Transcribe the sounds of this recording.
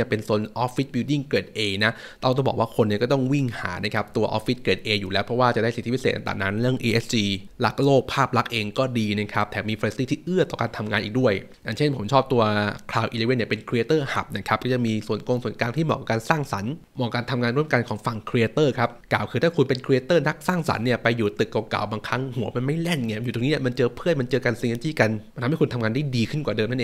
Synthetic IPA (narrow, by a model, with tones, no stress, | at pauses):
əpe˧nso˧˩˦nʔɔː˦˥pːi˦˥t̪̚bi˧wdi˥˩ŋke˨˩t̪̚ʔeː˧na˦˥ʔ | t̪ɔ˥˩t̪ɔ˥˩bɔː˨˩kwaː˥˩kʰo˧nːi˥˩kɔː˥˩t̪ɔ˥˩ŋwi˥˩ŋha̰ː˩˦na˦˥˩kʰa˦˥p̚t̪u˧ɐʔɔ̰ː˦˥fːi˦˥t̪̚keː˨˩t̪̚ʔeː˧juː˨˩lɛː˦˥wpʰɾɔ˦˥waː˥˩t͡ɕa˨˩da˥˩si˨˩t̪ʰːiː˦˥pʰːeː˨˩t̪ʔa˧t̪a̰ː˨˩ŋna˦˥nɾɯ˥˩əŋʔiː˧ʔe˦˥st͡ɕiː˧la˦˥k̚loː˥˩k̚pʰaː˥˩p̚la˦˥k̚ʔeː˧ŋkɔː˥˩diː˧na˦˥˩kʰɾa˦˥p̚t̪ʰɛː˨˩miː˧fa˧li˦˥st̪iː˥˩t̪ʰiː˥˩ʔɯ˥˩ɐt̪ɔː˨˩kaː˧nt̪ʰa˧mŋaː˧nʔiː˨˩k̚du˥˩əj | ja̰˨˩ŋt͡ɕʰe˥˩npʰo˩˦mt͡ɕʰɔː˥˩p̚t̪u˧ɐkʰlaː˧wʔi˧leː˧we˥ni˥˩pe˧nkʰɾi˧eː˧t̪ɤː˥˩ha̰˨˩p̚na˦˥˩kʰa˦˥p̚kɔː˥˩t͡ɕa˨˩miː˧su˨˩ənko˧ŋsu˨˩ə˦nkaː˧nt̪ʰiː˥˩mɔ̰ː˨˩ka˨˩kaː˧nsaː˥˩ŋsa̰˩˦n | mɔː˨˩kaː˧nt̪ʰa˧mŋaː˧nɾu˥˩əmka˧nkʰɔː˩˦ŋfa˨˩ŋkʰɾi˧e˧t̪ɤː˥˩kʰa˦˥p̚klaː˨˩wkʰɯː˧t̪ʰaː˥˩kʰu˧npe˧nkʰɾi˧eː˧t̪ɤː˥˩na˦˥k̚saː˥˩ŋsa̰˨˦nːi˥˩ɐpa˧jːuː˨˩t̪ɯ˨˩kːa˨˩ka̰˨˩wbaː˧ŋkʰa˦˥ŋhu˨˩˦ɐma˧nma˥˩jlɛ˥˩nŋi˦˥˩ju˨˩t̪oː˧niː˦ni˥˩ma˧nt͡ɕɤː˧pʰɯ˥˩ənma˧nt͡ɕɤː˧ka˧nsi˧e˧nt͡ɕiː˥˩ka˧na˧t̪ʰa˧mha˥˩kʰu˧nt̪ʰa˧mŋaː˧nda˥˩jdiː˧kʰɯ˥˩nkwaː˨˩dɤː˧mna˥˩˨ʔeː˧